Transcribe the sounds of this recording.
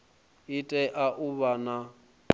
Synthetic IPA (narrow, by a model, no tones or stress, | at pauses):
ɪtʼɛʔaʔuβana